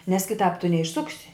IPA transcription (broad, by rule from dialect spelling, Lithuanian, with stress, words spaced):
nʲɛs kʲɪˈtɑːp tʊ nʲɛɪʃˈsʊksʲɪ